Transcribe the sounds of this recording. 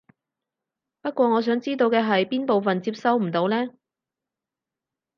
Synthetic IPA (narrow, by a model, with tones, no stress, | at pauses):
pɐ˥t̚kʷɔː˧ŋɔː˨˧s̬œː˨˥ŋt͡siː˥t̪o˧wkɛː˧ɦɐ˨jpiː˥npo˨wfɐ˨nt͡siː˧p̚sɐ˥wm̩˨˩t̪o˨˧wlɛː˥